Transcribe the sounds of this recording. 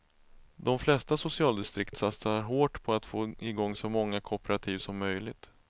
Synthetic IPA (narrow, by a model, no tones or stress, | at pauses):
d̪ɔmflɛst̪asʊsɪɑːld̪ɪst̪ɾɪkt̪sat̪saɾɦoːʈpʰɔat̪foːɪɡɔŋːsɔmɔŋːakʰʊpɛɾat̪ʰiːvsɔmːœjlɪɡt̪